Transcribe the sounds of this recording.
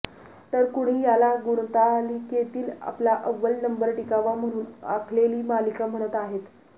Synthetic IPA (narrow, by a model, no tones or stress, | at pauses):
t̪əɾkuɽ̃iːjalaɡuɽ̃t̪aliket̪iːla̰plaʔəʋːəlnəmbəɾʈikaʋam̤əɽ̃uːna̰kʰleliːmalikam̤əɽ̃ət̪aɦet̪